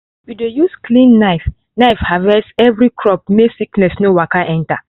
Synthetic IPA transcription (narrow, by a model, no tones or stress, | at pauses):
widejusklĩnːaɪf | naɪfhavɛsɛvɾikʰɹɔp̚mesiknɛsnowakaʔɛ̃nta